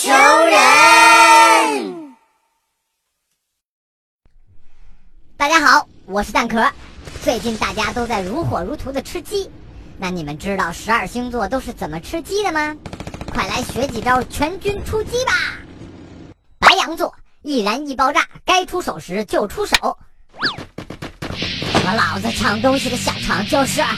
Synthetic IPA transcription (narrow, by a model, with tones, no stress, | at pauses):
t͡ɕʰo˧˥ʊɻə˧˥ | t̪a˥˩t͡ɕja˥xɑ˨˧˩ʊ | wɔ˨˩ʂɻ̩˥˧t̪a˥˩nkʰɤ˥˩t͡swe˥˧ɪt͡ɕi˥˧nt̪a˥˩t͡ɕja˥t̪o˥ʊt͡sa˥˩ɪɻu˧˥xwɔ˨˩ɻu˧˥t̪ʰu˧˥d̪ə˨ʈ͡ʂʰɻ̩˥t͡ɕi˥ | na˥˩ni˨˩mə˦nʈ͡ʂɻ̩˥t̪ɑ˥˩ʊʂɻ̩˧˥ə˞˨˩ɕi˥ŋt͡swɔ˥˩t̪o˥ʊʂ̬ɻ̩˥˩t͡sə˨˩nmə˦ʈ͡ʂʰɻ̩˥t͡ɕi˥d̪ə˨mɐ˩kʰwa˥˩ɪla˧˥ɪɕɥɛ˧˥t͡ɕi˧˩ʈ͡ʂɑ˥ʊt͡ɕʰɥɛ˧˥nt͡ɕy˥nʈ͡ʂʰu˥t͡ɕi˥bɐ˨ | pa˧˥ɪjɑ˧˥ŋt͡swɔ˥˩ | i˥˩ɻa˧˥ni˥˩pɑ˥ʊʈ͡ʂa̰˥˩ka˥ɪʈ͡ʂʰu˥ʂo˨˩ʊʂɻ̩˧˥t͡ɕjo˥˩ʊʈ͡ʂʰu˥ʂo˨˩˦ʊ˨˩˧ | lɑ˨˩ʊd͡zə˧ʈ͡ʂʰɑ˧˥ŋt̪ʊ˥ŋɕi˨d̪ə˩ɕjɑ̰˨˩ʊʈ͡ʂʰɑ˧˥ŋt͡ɕjo˥˧ʊʂɻ̩˥˩